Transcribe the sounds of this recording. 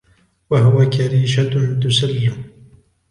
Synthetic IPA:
waɦʊwakaɾiːʃat̪ʊnt̪ʊsalːɪm

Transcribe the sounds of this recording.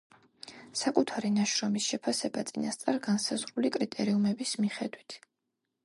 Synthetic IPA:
sakʼut̪ʰaɾinaʃɾɔmisʃɛpʰasɛbat̪sʼinast̪sʼaɾɡansazʁɾulikʼɾit̪ʼɛɾiumɛbismiχɛd̪wit̪ʰ

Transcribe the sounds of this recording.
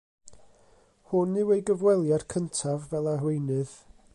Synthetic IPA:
hʊnːɪwejɡəvwɛlˠjar̥kʰəntʰavːɛlˠarwejnɨð̥

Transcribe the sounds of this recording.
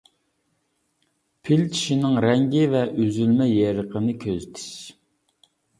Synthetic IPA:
pʰɪlt̪ʰi̥ʃinɪŋɾɛŋɡʲivɛʔøzylmɛjɛɾəqʰənɨkʲʰøzt̪ʰɪ̥ʃ

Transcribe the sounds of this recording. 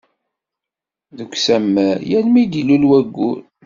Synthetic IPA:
ðəɡʷsæmːæjænmid̪ilulwæɡːun

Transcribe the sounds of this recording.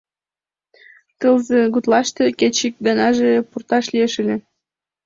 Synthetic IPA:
t̪əlzĕɡut̪lɑʃt̪eket͡ɕik̚ɡɑnɑʒepurt̪ɑʃlieʃəlʲe

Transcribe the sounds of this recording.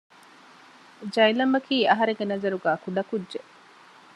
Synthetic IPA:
d͡ʒɐjlɐmɐkʰiːɐɦɐɾeŋɡenɐzɐɾuɡæːkuɖɐkudʒeʔ

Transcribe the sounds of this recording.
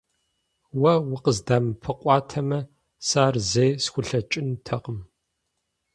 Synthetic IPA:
wɐwʊqəzdaːmpʰɨqʷʼɑːtʰɐmɐ | saːrzejsxʷʊɬɐt͡ʃʼɪntʰɐqəm

